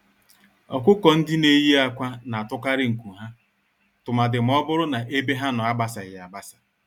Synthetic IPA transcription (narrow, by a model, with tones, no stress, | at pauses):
ɔ˨kʷʊ˦kɔ˨n̩˦dɪ˦ne˦ji˦a˨kʷa˦na˨a˨tʊ˦ka˦ɾɪ˦ŋ̩˨ku˨ɦa˦ | tʊ˨ma˨dɪ˨m̩˨˦ɔ˦bʊ˦ɾʊ˦na˨ʔe˦be˦ɦa˦nʊ˨a˦ba˦sa˨ja˨ba˦sḁ˨